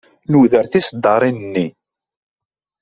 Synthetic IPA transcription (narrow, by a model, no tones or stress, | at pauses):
nuðəɾθisd̪ːɑɾˤinənːi